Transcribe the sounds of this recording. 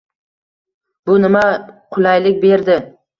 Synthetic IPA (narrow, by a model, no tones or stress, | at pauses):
bʊnɪmaqʰʊlˠajlɪk̚ʲbe̞ɾd̪ɪ